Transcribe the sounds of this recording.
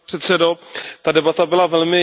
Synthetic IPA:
ɛt̪sɛdot̪adɛbat̪abɪlavɛlmɪ

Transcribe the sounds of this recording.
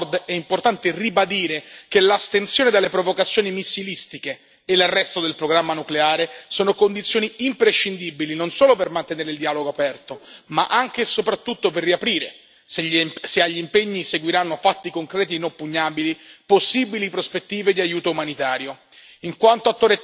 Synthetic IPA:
rd̪ɛimport̪ant̪eribad̪iːɾekelast̪ensjoːned̪alːepɾovokat̪sːjoːnimisːilist̪ikeː | larːɛst̪od̪elpɾoɡɾamːanukleaːɾesoːnokond̪it̪sːjoːniimpɾeʃːind̪ibilinonsoːlopermant̪eneːɾeild̪iaːloɡoapɛrt̪omaʔaŋk̟esopɾat̪ːut̪ːoperːiapɾiːɾḛ | sseaʎːiimpeɲːiseɡwiɾanːofat̪ːikoŋkɾɛːt̪̬inompːuɲːaːbiliposːibilipɾospet̪ːiːved̪iajːuːt̪oumanit̪aːɾjo | iŋkwant̪oat̪ːoːɾe

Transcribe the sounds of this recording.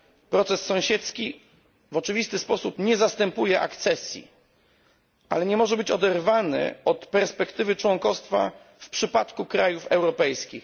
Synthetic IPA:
pɾɔt̪sɛsːɔ̃w̃ɕɛt̪skʲi | vɔt͡ʂɘvʲist̪ɘspɔsupɲɛzast̪ɛmpujɛʔa̰kt̪sɛsʲjḭ | a̰lɛɲɛmɔʐɛbɘt͡ɕɔd̪ɛɾvanɘ̰ɔt̪pɛɾspɛkt̪ɘvɘt͡ʂwɔŋkɔfst̪fa̰ | fpʂɘpat̪kukɾajufɛwɾɔpɛjskʲḭx

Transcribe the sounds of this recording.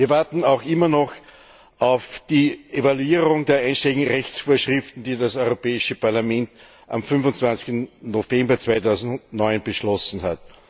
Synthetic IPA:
viːɐvaɐtn̩aʊxɪmɐnɔx | aʊfd̥iːʔevaluiːʁʊŋdeːɐʔaɪnʃtelɪɡŋ̩ʁɛçt͡sfoːɐʃʁ̥ɪftn̩d̥iːdasɔʏʁopɛːɪʃəpaɐlamɛ̃nt | ʔa̰mfʏnvʊnt͡sv̥ansɪ̥ktn̩nofɛ̃mbɐt͡sv̥aɪtaʊzn̩dʊntnɔʏnb̥əʃlɔsn̩hat

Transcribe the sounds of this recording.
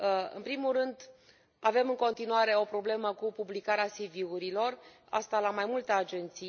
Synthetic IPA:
ɨ̰npɾimurɨnd̪ | ave̞mɨŋko̞nt̪inuaɾe̞o̞pɾo̞ble̞məkupublikaɾeasiviuɾilo̞r | a̰st̪alamajmult̪ead͡ʒe̞nt̪si

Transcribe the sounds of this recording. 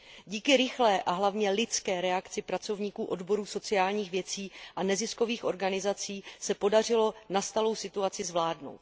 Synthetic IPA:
ɟiːkɪɾɪxlɛːʔaɦlavɲɛlɪt͡skɛːɾɛakt͡sɪpɾat͡so̞vɲiːkuːʔo̞dbo̞ɾuːso̞t͡sɪaːlɲiːxvjɛt͡siːʔanɛzɪsko̞viːxʔo̞ɾɡanɪzat͡siːsɛpo̞dar̝ɪlo̞nast̪alo̞wsɪt̪uat͡sɪzvlaːdno̞̰wt̪

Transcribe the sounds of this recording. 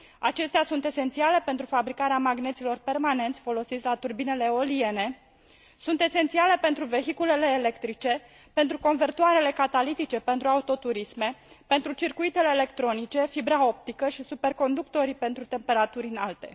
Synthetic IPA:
at͡ʃe̞st̪asunt̪e̞se̞nt̪siale̞pe̞nt̪ɾufabɾikaɾeamaɡne̞t̪silo̞rpe̞rmane̞nt̪sʲfo̞lo̞sit̪sʲlat̪urbine̞le̞o̞lie̞ne̞ | sunt̪e̞se̞nt̪siale̞pe̞nt̪ɾuve̞ɦikule̞le̞ːle̞kt̪ɾit͡ʃe̞ | pe̞nt̪ɾuko̞nvert̪uaɾe̞le̞kat̪alit̪it͡ʃe̞pe̞nt̪ɾuaut̪o̞t̪uɾisme̞pe̞nt̪ɾut͡ʃirkuit̪e̞le̞ːle̞kt̪ɾo̞nit͡ʃe̞fibɾao̞p̚t̪ikəʃisupe̞rko̞nd̪uk̚t̪o̞ɾipe̞nt̪ɾut̪e̞mpe̞ɾat̪uɾʲɨnalt̪e̞̰

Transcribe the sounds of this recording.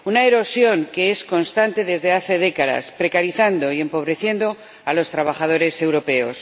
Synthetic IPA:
unaeɾo̞sjo̞ŋke̞esko̞nst̪ant̪e̞ðe̞zðe̞aθe̞ðe̞kaða̰spɾe̞kaɾiθand̪o̞ie̞mpo̞βɾe̞θje̞nd̪o̞ | alo̞st̪ɾaβ̞aχað̞o̞ɾe̞se̞wɾo̞pe̞o̞s

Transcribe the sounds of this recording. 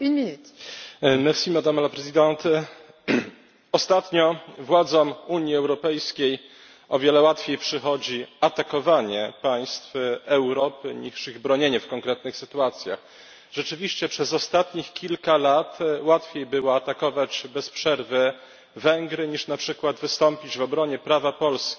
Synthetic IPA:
ii | mɛfsimad̪amalapɾɛzid̪ɛnt̪ | ɔst̪at̪ɲɔvwad̪zɔmuɲjiɛwɾɔpɛjskʲej | ɔvʲjɛlɛwat̪fʲjejpʂɘxɔd͡ʑiat̪akɔvaɲɛpaj̃st̪fɛwɾɔpɘɲiʂiɣbɾɔɲeɲɛfkɔŋkɾɛt̪nɘxsɘt̪uat̪sʲja̰x | ʐ̥ɛt͡ʂɘvʲiɕt͡ɕɛpʂɛzɔst̪at̪ɲixkʲilkalat̪wat̪fʲjejbɘwɔat̪akɔvad͡ʑbɛspʂɛɾvɘ | vɛŋɡɾɘɲiʂnapʂɘkwad̪vɘst̪ɔmpʲid͡ʑvɔbɾɔɲɛpɾavapɔlskʲi

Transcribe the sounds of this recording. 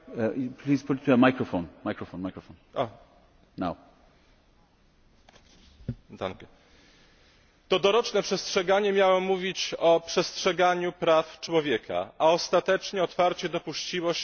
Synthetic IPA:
pʰliz̥pʰʊttʰːuəmajkɹɔfõnmajkɹɔfõnmaɪkɹɔfõnʔa | naʊ | d̪a̰nkɛ | t̪ɔd̪ɔɾɔt͡ʂnɛpʂɛstʂɛɡaɲɛmʲjawɔmuvʲit͡ɕɔpʂɛstʂɛɡaɲupɾaft͡ʂwɔvʲjɛkʰa̰ʔaɔst̪at̪ɛt͡ʂɲɛɔt̪faɾt͡ɕɛd̪ɔpuɕt͡ɕiwɔ

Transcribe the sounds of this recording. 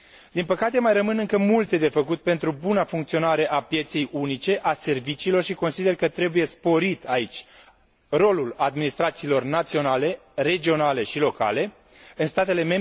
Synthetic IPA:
d̪inpəkat̪e̞majrəmɨnɨŋkəmult̪e̞d̪e̞fəkut̪̚pe̞nt̪ɾubunafuŋkt̪sio̞naɾe̞ʔapje̞t̪se̞junit͡ʃe̞ʔase̞rvit͡ʃiːlo̞rʃiko̞nsid̪e̞rkət̪ɾe̞buje̞spo̞ɾit̪ait͡ʃʲ | ro̞lulad̪minist̪ɾat̪siːlo̞rnat̪sio̞nale̞ | re̞d͡ʒio̞nale̞ʃilo̞ka̰le̞ | ɨnst̪at̪e̞le̞me̞m

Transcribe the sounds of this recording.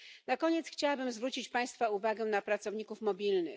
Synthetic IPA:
nakɔɲɛt̪sxt͡ɕawabɘmzvɾut͡ɕit͡ɕpaj̃st̪fauvaɡɛnapɾat̪sɔvɲikufmɔbʲilnɘ̰x

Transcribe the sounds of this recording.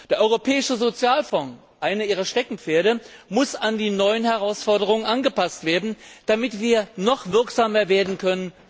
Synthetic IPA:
d̥eːɐʔɔʏʁopʰɛːɪʃəzot͡sjaːlfɔŋ | ʔaɪnəʔiːʁ̞ɐʃtɛkŋ̩p͡feːɐɾəmʊsandiːnɔʏənhɛʁaʊsfɔɐdəʁ̞ʊŋənʔanɡəpastv̥eːɐdn̩d̥amɪtv̥iːɐnɔχv̥ɪɐkz̥aːmɐveːɐdn̩kʰœnən

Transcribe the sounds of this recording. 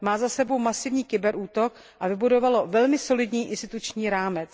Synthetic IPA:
maːzasɛbo̞wmasɪvɲiːkɪbɛɾʔuːt̪o̞k | ʔavɪbudo̞valo̞vɛlmɪso̞lɪdɲiːʔɪnst̪ɪt̪ut͡ʃɲiːɾaːmɛt͡s

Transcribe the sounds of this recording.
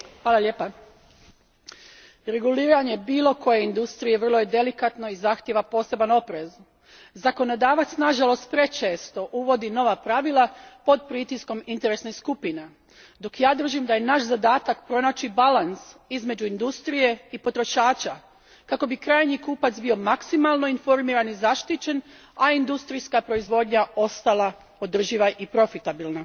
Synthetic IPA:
xʋaːlˠalʲe̞ːpa | ɾe̞ɡuliːɾaɲe̞biːlˠo̞ko̞je̞ind̪ust̪ɾije̞ʋərlˠojed̪e̞likat̪no̞izaxt̪ʲje̞ʋapo̞ːse̞bano̞pɾe̞z | zako̞no̞d̪aːʋat̪snaʒalˠo̞st̪̚pɾe̞t͡ʃe̞ːst̪o̞ʔuʋo̞d̪ino̞ʋapɾaʋilˠapo̞d̪̚pɾit̪isko̞mint̪e̞ɾesniskupine̞ | d̪o̞kjaːd̪r̩ʒimd̪ajenaʃzad̪aːt̪akpɾo̞naːt͡ʃibalansizme̞d͡ʑuind̪ust̪ɾije̞ipo̞t̪ɾo̞ʃaːt͡ʃa | kako̞bikɾaːjɲikuːpat̪zbio̞maksimalˠno̞info̞ɾmiːɾanizaʃt̪it͡ɕe̞n | aind̪ust̪ɾijskapɾo̞izʋo̞ːd̪ɲao̞st̪alˠa | o̞d̪r̩ʒiʋaʔipɾo̞fit̪abilˠna

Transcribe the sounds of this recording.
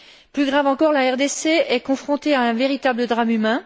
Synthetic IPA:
plyɡʁavɑ̃kɔʁlaɛʁd̪eseɛkɔ̃fχɔ̃t̪eaɛ̃veʁit̪abləd̪ʁamymɛ̃

